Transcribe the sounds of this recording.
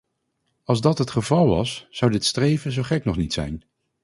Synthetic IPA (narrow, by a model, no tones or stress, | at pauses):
ɑlˠzdɑtɦətχəvɑlˠʋɑ̰sz̥ʌwdɪtstrejvənzowχɛknɔχnitsɛ̰jn